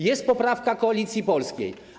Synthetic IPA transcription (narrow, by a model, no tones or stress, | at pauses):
jɛst̪̚pɔpɾafkakɔalʲit̪sʲjipɔlskʲḛj